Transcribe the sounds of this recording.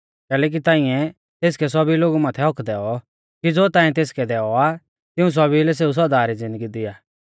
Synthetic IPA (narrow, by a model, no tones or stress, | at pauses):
kɛːlɛːk̬it̪ãːɪ̃ɛ̃ | t̪eːs̬kɛs̬ɔbiloːɡumaːt̪ʰɛɦɔkʰd̪ɛːɔ | kid͡zoːt̪ãːĩt̪eːskɛd̪ɛːɔa | t̪ɪũs̬ɔbilɛs̬eːus̬ɔd̪aːɾid͡zɪ̃nd̪əɡid̪ɪjaː